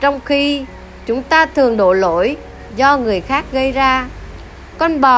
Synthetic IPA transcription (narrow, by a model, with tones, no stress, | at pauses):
t͡ɕɔ˧wŋ͡mxi˧ | t͡ɕʊ˨˦ŋ͡mt̪aː˧t̪ʰɨ˨˩əŋɗo̰˧˨jlo̰˧˥j | zɔ˧ŋɨ˨˩əjxaː˦˥k̚ɣə˧jzaː˧ | kɔ˧nɓɔ˨˩